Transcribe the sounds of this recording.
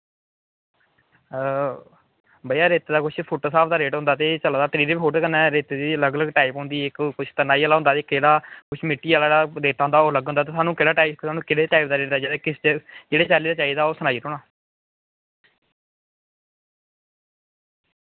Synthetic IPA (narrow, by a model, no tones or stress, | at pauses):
bəijaːɾeːt̪ːd̪aːkʊt͡ʃʰpʰoːʈoːsaːpʰd̪aːɾeːʈɦʊ̃nd̪aːt̪eːt͡ʃəlad̪aːt̪əɾiːɾeːbpʰoːʈkənːɛːɾeːt̪eːd̪iːləɡləɡʈaːipɦõːnd̪iːɪkkʊt͡ʃʰt̪ənaːiːaːlaːʊ̃nd̪aːt̪eːkeːɽaːkʊt͡ʃʰmɪʈːiːaːlaːɽaːɾeːʈãːnd̪aːoːləɡɦõnd̪aːt̪eːsaːnũːkɪɽaːʈaːisaːnũːkɪɽeːʈaːipd̪aːɾeːʈd̪aːd͡ʒeɽeːkɪst͡ʃd͡ʒeːɽeːt͡ʃaːliːd̪aːt͡ʃaːiːd̪aːoːsənaːiːɾoːɳaː